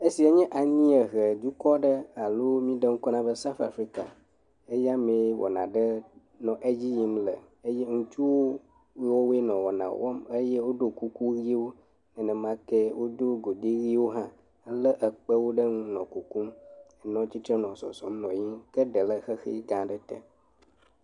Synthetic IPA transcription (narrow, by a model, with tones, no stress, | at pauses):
e˦si˨ɛ˦ɲɛ̃˦ʔa˨ɲĩ˦ə˨ɣə˨d̪u˦kɔ˦ɖə˦a˨lo˦mĩ˦ɖə˦ŋ̩˦kɔ˦nã˦bə˦sa˦fa˨fɾi˦ka̰˨ | e˦ja˦me˨wʔɔ̰˨nã̰˨ɖə˦ | nɔ̃˨ʔe˦d͡ʑi˦ji˦mlə˨ | e˦je˦ŋũ˦t͡ʃu˦wo˦ | wo˦we˦nɔ̃˨wɔ̰˨nã̰˨wɔ̰˦mə˦jɛ˦wo˦ɖo˦ku˦ku˦ɣi˦wo˦ | nɛ̃˨nɛ̃˨mã˦kɛ˦wo˦d̪o˦ɡo˨ɖi˦ɣi˦wo˦ɦã˦ | lə˦ʔə˨k͡pə˦wo˦ɖə˦ŋũ˦nɔ̃˨ku˨ku˦mɛ˨nɔ̃˦t͡ɕi˦t̪ɾɛ˦nɔ̃˨sɔ̰˨sɔ̃˨˦mnɔ̃˨jĩ˦kə˦ɖə˨lə˦xə˦xḭ˦ɡã˨ɖə˦t̪ə̰˨